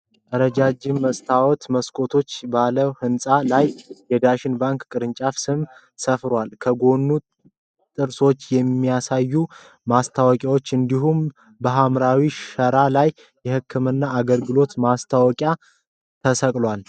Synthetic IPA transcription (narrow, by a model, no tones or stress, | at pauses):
ʔəɾəd͡ʒad͡ʒɪmːəst̪ʰawɔt̪məskʰʼo̞t̪ʰo̞t͡ʃːbaləwhɨnsʼalajjɛd̪aʃɪnbaŋkkʼɨɾɨnt͡ʃʼafsɨm | səfɾwalkʰəɡo̞nːu | t̪ʼɨɾso̞t͡ʃːjɛmːijasajːu | mast̪ʰawɔkʼjawo̞t͡ʃːɨnd̪iɦum | bəɦamɾawiʃəɾalaj | jɛhɨkʰːɨmɨnːaːɡəlɡɨlo̞t̪mast̪ʰawɔkʼja | t̪ʰəsəkʼlwal